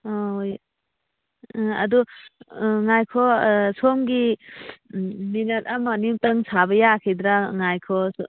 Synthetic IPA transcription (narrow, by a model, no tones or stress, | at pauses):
ɔoj | a̰du | ŋajkʰɔsomɡi | minɐt̚amanimtəŋsʰabɐjakʰid̪ɾaŋajkʰɔs